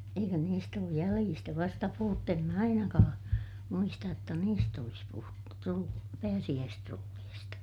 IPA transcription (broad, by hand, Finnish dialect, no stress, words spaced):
eikø niːst oːj jæliːstæ ʋɑstɑ puhutːu em mæ ɑinɑkɑː muistɑj jotːɑ niːst olis puhutːu trul pæːsij̆æːstrulːiːstɑ